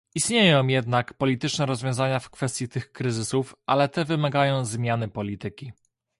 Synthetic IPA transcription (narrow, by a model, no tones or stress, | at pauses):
ist̪ɲejɔ̃w̃jɛd̪nakpɔlʲit̪ɘt͡ʂnɛɾɔzvʲjɔ̃w̃zaɲafkfɛst̪ʲjit̪ɘxkɾɘzɘsufʔa̰lɛt̪ɛvɘmaɡajɔ̃w̃zmʲjanɘpɔlʲit̪ɘkʲi